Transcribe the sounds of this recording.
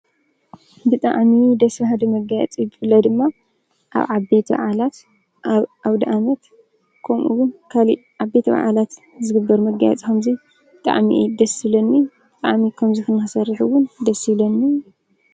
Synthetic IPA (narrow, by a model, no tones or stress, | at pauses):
bɨt̪ʼa̰ʕmid̪ɐsfhad̪ɐmɐɡajɛ̰t͡sʼibɨfɨlːɐd̪ɨmːa | ʔa̰βʕabet̪ʰba̰ʕalat̪ | aβd̪ɐʔamɐt̪ | kʰomʔuwʊnkʰaliʕaβe̞t̪ʰɐβa̰ʕa̰lat̪ | zɨɡɨbːɐɾmɐɡa̰jɛ̰t͡sʼkʰɐmzi | bɨt̪ʼa̰ʕmḭʔd̪ɐsilɐnːi | bɨt̪ʼaʕmikʰɐmzixɨnɨxɨsɐɾħuwʊnd̪ɐsilɐnːi